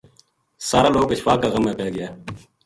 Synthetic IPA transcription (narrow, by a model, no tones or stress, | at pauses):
saːɾaːloːkəɕfaːkaːɣəmaːpeːɡɪjaː